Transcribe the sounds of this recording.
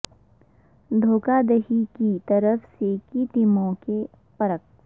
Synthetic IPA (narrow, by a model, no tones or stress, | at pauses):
d̪ʱoːkad̪ɐɦikit̪əɾəfsekit̪ɪmõke | pɐɾək̚